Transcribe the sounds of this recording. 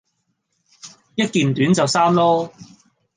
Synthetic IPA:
jɐ˥t̚kiː˨nt̪yː˨˥nt͡sɐ˨wsaː˥mlɔː˥

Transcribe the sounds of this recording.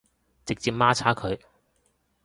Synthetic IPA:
t͡sɪ˨k̚t͡siː˧p̚maː˥t͡sʰaː˥kʰɵ˨˧ɥ

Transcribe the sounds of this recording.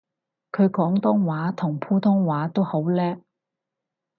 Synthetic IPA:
kʰɵ˨˧ɥkɔː˨˥ŋt̪ɔː˥ŋwaː˨˥t̪ʰʊ˨˩ŋpʰuː˥t̪ʰʊ˥ŋwaː˨˥t̪o˥who˨˥wlɛː˥

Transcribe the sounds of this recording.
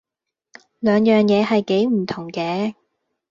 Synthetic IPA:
lœː˨ŋjœː˨ŋjɛː˨˧ɦɐ˨jke˨˥jm̩˨˩t̪ʰʊ˨˩ŋkɛː˨˧

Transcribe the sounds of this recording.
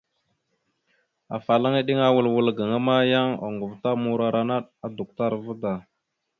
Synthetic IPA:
a̰˨fa˨la˦ŋi˦ɗi˦ŋa˦wə˨lwu˨lɡə˨ŋa˦ma˦ja˦ŋa̰˨ŋɡu˨vta˦mu˨ɾa˨ɾa˦na˦ɗa˦du˨k̚ta˦ɾvu˦da˨

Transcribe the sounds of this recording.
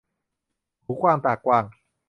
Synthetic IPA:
huː˨˦˥kʰwaː˧mt̪aː˨˩kːwaː˧ŋ

